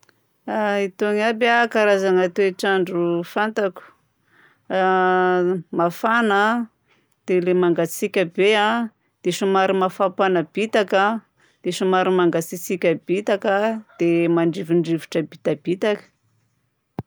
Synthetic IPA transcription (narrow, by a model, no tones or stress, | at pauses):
ait̪oŋabakaɾazaŋat̪eeʈ͡ʂaɳɖ͡ʐufant̪aku̥ | mafanə | d̪̥elemaŋɡat͡sikʲəbea | d̪̥eʃumaɾimafapanəb̥it̪aka | d̪̥eʃumaɾimaŋɡat͡sit͡sikʲəb̥it̪akəd̪̥emaɳɖ͡ʐiviɳɖ͡ʐivuʈ͡ʂəbit̪ab̥it̪akə̥